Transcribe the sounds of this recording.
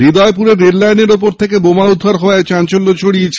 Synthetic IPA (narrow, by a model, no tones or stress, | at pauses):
ɾid̪ɔepuɾeɾːeɾlajneɾupoɾt̪ʰekebomaud̪ʱːaɾɦɔet͡ɕant͡ɕolːot͡ɕʰoɽiet͡ɕʰ